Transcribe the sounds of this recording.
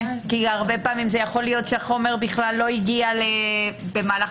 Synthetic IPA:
kiaʁbe̞paːmimzejaχo̞lijo̞t̪ʃeaχo̞me̞ʁbiχlalːo̞iɡialebemaːla

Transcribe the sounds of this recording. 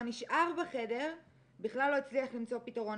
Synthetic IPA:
niʃʔaʁbaχe̞de̞ʁ | biχlalːo̞et͡sliaχlimt͡so̞pitaʁo̞n

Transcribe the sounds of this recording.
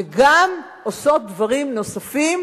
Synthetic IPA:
eɡam | oso̞t̪̚d̪vaʁimno̞safim

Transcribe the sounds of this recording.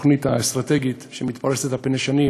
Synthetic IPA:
χnit̪aest̪ʁat̪eɡit̪ʃemit̪paʁeset̪hapneʃani

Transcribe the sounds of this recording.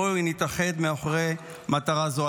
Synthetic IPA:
init̪aχe̞d̪meaχʁej | mat̪aʁazo

